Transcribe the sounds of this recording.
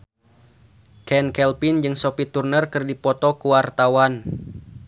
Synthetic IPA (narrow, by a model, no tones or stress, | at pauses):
kɛnkɛlpind͡ʒɨŋsopit̪urnərkɨrdipɔt̪ɔkuwart̪awan